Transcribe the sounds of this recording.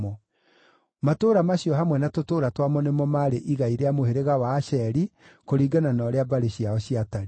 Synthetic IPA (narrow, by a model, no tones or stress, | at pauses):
ɔ | matoːɾamaɕiɔɦamwɛnatotoːɾatwamɔnemɔmaɾeʔiɣaiɾeamoheɾeɣawaːɕɛɾikoɾiːɡananɔɾeabaɾeɕiaɔɕiataɾi